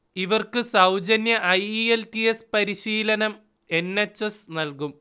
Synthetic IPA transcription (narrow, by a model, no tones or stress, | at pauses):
iʋɐrkɨsɐwd͡ʑɐnjɐʔɐjieltiespɐɾiɕiːlɐnɐm | e̞nːet͡ɕːesnɐlkum